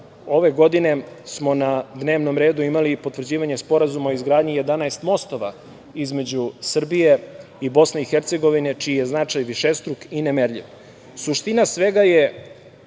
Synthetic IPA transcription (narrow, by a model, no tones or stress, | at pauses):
o̞ʋe̞ɡo̞d̪ine̞smo̞nad̪neːʋno̞mɾe̞ːd̪uimalipot̪vr̩d͡ʑiːʋaɲe̞spo̞ɾazumaoizɡɾaːd̪ɲije̞d̪anaest̪mo̞st̪oʋa | izme̞d͡ʑusr̩bije̞ | ibo̞sne̞ixeɾt̪se̞ɡo̞ʋine̞t͡ʃiːjeznat͡ʃajʋiʃest̪ɾukinemeɾʎḭʋ | suʃt̪inasʋe̞ɡaje